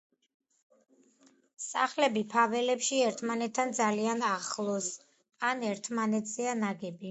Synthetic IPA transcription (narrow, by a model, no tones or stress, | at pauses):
saχlɛbipʰavɛlɛpʃiɛɾt̪ʰmanɛt̪ʰːand̪zalianaχlˠɔs | anɛɾt̪ʰmanɛt̪ʰz̥ɛanaɡɛbi